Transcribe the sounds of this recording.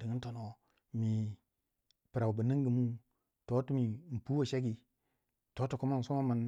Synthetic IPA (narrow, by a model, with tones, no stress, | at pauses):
di˨ŋi˦n˦to˨no˨ | mi˨ | pə˨ɾa˨u˨bə˨ni˦ŋɡi˨mu˦ | to˨˦tu˦mi˨m̩˨pu˦wo˨ʃe˦ɡi˨ | to˦tu˨ku˦ma˦n˨so˦ma˦mə˨n